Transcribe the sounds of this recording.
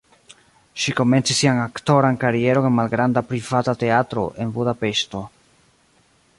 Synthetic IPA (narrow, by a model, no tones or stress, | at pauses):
ʃiko̞me̞nt͡sisːiaŋakto̞ɾankaɾie̞ɾo̞ŋenmalɡɾandapɾivatate̞atɾo̞̰ʔe̞nbudape̞ʃto̞